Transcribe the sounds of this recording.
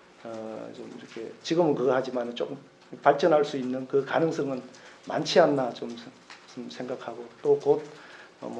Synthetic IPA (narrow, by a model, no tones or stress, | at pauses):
ʌt͡ɕomiɾʌkʰe̞̰t͡ɕiɡɯmɯnkɯɡʌhad͡ʑimanɯnt͡ɕok͈ɯm | paɭt͡ɕ͈ʌnɦaɭs͈uinːɯnkɯkanɯŋs͈ʰʌŋɯnma̰nt͡ɕʰianːat͡ɕom | smsʰe̞ŋɡakʰaɡot͈okot̚ʌ̰m